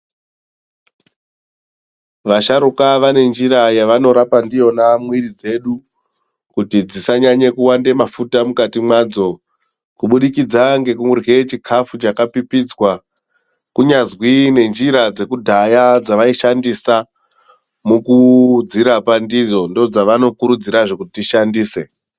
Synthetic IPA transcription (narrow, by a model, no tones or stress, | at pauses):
ʋaʃaɾukaʋane̞nd͡ʒiɾajaʋano̞ɾapandijo̞namwiɾid͡ze̞ɗu | kutid͡zisaɲaɲekuwandemafutamukatimwad͡zo̞ | kuɓuɗikid͡zaŋɡe̞kuŋurɡe̞t͡ʃikʰafut͡ʃakapipid͡zwa | kuɲazwine̞nd͡ʒiɾad͡ze̞kudʱajad͡zaʋaiʃandisa | mukud͡ziɾapandid͡zo̞ndod͡zaʋano̞kuɾud͡ziɾaʐe̞kutitiʃandiːse̞